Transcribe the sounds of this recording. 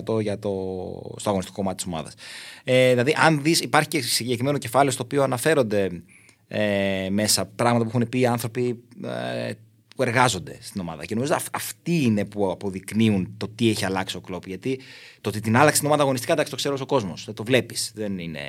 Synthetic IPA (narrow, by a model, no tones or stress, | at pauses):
t̪oʝɐt̪ost̪oɐɣoist̪iko̞koɐt̪it̪iso̞mɐ̰ðɐ̰seðilɐðiʔɐnðisipɐɾçicesiɲɟe̞kɾimeno̞ce̞fɐlest̪oːpioɐnɐfe̞ɾo̞nd̪e̞ | eme̞sɐpɾɐɣmɐt̪ɐp̬uxunepiːɐnθɾo̞pi | pue̞ɾɣɐzo̞nd̪e̞st̪ino̞mɐ̰ðɐ̰ce̞no̞mizoɐft̪iine̞puɐpo̞ðikniunt̪o̞t̪ie̞çiɐlɐksio̞klo̞pʝɐt̪it̪oot̪it̪inɐlɐksinɐðɐɣo̞nist̪kɐd̪ɐkst̪kseɾso̞ko̞zmo̞sðet̪o̞vle̞pisðe̞nine̞̰